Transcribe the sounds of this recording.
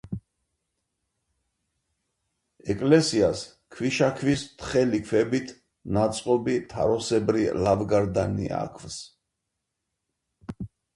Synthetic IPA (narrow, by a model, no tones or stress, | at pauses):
ɛkʼlɛsias | kʰwiʃakʰvist̪χɛlikʰwɛbit̪ʰ | nat̪sʼqʼɔbit̪ʰa̰ɾɔsɛbɾilavɡaɾd̪anḭa̰kʰvs